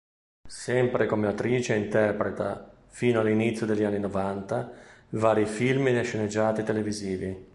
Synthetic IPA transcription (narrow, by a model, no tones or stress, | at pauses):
sɛmpɾekomeat̪ɾiːt͡ʃeint̪ɛrpɾet̪a̰ | fiːnoalːinit̪sjod̪eʎːanːinovant̪avaːɾifilmineʃːened͡ʒːaːt̪it̪eleviziːvi